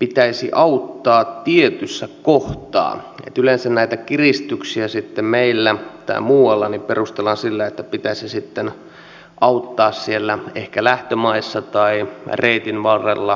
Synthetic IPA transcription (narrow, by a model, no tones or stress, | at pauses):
pit̪æisḭʔɑut̪ːɑːt̪tiet̪ysːækoht̪ɑ̰ːḛt̪ylensænnæit̪ækirist̪yksiæsit̪ːemmeilːæt̪ɑ̰imuːɑlːɑniperust̪elːɑnsilːæet̪ːæpit̪æsisit̪ːen | ʔɑut̪ːɑːssielːæehkælæht̪ømɑisːɑt̪ɑireit̪inʋɑrːḛlːɑ